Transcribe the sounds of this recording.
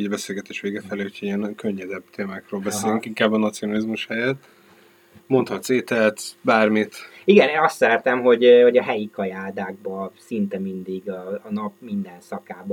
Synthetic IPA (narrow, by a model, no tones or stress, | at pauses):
ɟbɛseːlɡɛt̪eːʃʋeːɡɛfɛleːhu̥cʰoiɛnkøɲːɛd̪ɛbt̪ʰeːmaːkrøːlbɛseːlyŋkiŋkaːbːɒnɒt̪sijonɒlizmuʃhɛjɛt̪ː | mo̞nt̪hɒt̪seːt̪ɛlt̪baːrmit̪iɡɛneːnɒst̪sɛɾɛt̪ɛmɦo̞ɟho̞ɟɒɦɛjikɒjaːd̪aːɡ̚bɒsint̪ɛmind̪iɡɒːnɒpmind̪ɛnsɒkaːb